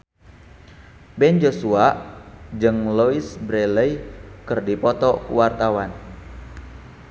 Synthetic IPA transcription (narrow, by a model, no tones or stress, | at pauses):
bɛnd͡ʒosuaʔd͡ʒɨŋloisbɾeləjkɨrdipɔt̪ɔkṵwart̪awan